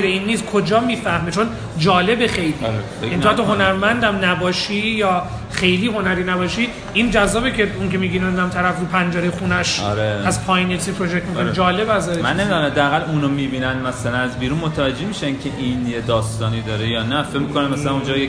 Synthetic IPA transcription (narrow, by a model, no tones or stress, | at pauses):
ɾeiːnːiːskʰo̞d͡ʒɒːmiːfæhmet͡ʃʰon | d͡ʒɒːle̞bexejliːɾefeinʰt̪oɦonæɾmænd̪æmnæbɒːʃijɒː | xe̞jliːɦo̞næɾiːnæbɒːʃiː | ind͡ʒæzːɒːbecʰeuŋkemiːbinænd̪æmt̪ʰæɾæfɾuːpʰænd͡ʒɛɾejxuːnæʃɒ̰ɾeæzpʰɒːjinet̪ʰiːpʰɾod͡ʒek̚t̪mikʰond͡ʒɒːlebæzɒɾemænːemid̪ɔmamd̪æːɣælunomiːbiːnænmæsælænæzbiːɾunmot̪ʰævæd͡ʒːemiːʃæŋcʰeʔinjed̪ɒːst̪ɒːniːd̪ɒːɾejɒːnæfecmikʰonæmːæsælænund͡ʒɒːje